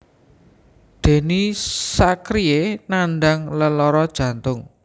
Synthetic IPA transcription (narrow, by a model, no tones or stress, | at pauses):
d̪̥e̤nisakɾienanɖaŋləlɔɾɔd̥ʒ̥ä̤nt̪ʊŋ